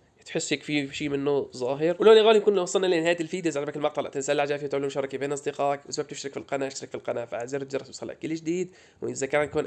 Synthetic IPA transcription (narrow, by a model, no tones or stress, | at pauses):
t̪ħɪsːekfiʃiːmɪnːʊzˤɑːɦɪɾwloːlʔɪlɣaːlijkuːnlwɑsˤːɑlnalinɪhaːjt̪ɪlfiːd̪iʔzʕalbakɪlmɑqt̪ˤɑlaʔt̪ɪnsalːaʕd͡ʒaːfiːt̪ʕʊlːuːmʃɑɾˤɑkibeːnʔɑsˤd̪ɪqɑːkwɪsbab̚t̪ɪʃɾɪkfilqɑnaʔɪʃɾɪkfilqɑnafaʔaziɾt̪̚d͡ʒɑɾˤːɑswsˤɑlːa̰ʔkːɪlːɪʒd̪iːd̪ | wʔɪzakanajkuːn